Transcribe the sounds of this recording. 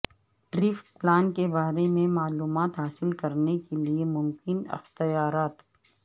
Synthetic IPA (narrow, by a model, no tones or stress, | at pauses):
ɖɾɪːfʈplaːnkebaːɾemẽmaːluːmaːt̪ɦaːsɪlkɐɾnekeliemʊmkɪnɪ̰xt̪ijaːɾaːt̪